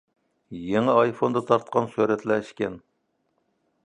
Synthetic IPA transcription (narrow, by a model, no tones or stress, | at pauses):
jeŋɨɑjfond̪ɑt̪ʰɑɾt̪̚qʰɑnsøɾɛt̪lɛʃkʲɛn